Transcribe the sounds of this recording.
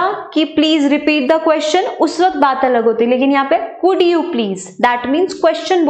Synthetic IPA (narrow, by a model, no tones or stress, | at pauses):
kipliːzɾɪpiːʈ̚d̪ɐkwɛst͡ʃənʊsʋɐk̚t̪̚baːt̪ɐləɡɦoːt̪iileːkɪnjɐɦãːpekʊɖjupliːz | d̪æːʈmĩːnzkwɛst͡ʃənb